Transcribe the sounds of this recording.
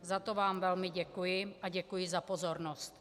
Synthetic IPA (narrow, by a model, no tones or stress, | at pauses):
zat̪ovaːmvɛlmɪɟɛkujɪʔaɟɛkujɪzapozoɾnost̪